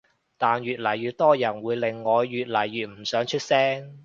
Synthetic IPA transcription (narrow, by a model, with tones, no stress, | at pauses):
t̪aː˨nɥyː˨t̚lɐ˨˩jɥyː˨˧t̚t̪ɔː˥jɐ˨˩nwuː˨˧jlɪ˨ŋːɔː˨˧jːyː˨t̚lɐ˨˩jːyː˨t̚m̩˨˩sœː˨˧˥ŋt͡ʃʰɵ˥t̚sɛː˥ŋ